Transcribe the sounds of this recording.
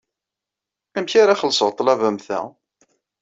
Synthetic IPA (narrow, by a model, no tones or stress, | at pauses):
æmçaɾaχəlsəʁt̪ˤːlævæmθæ̰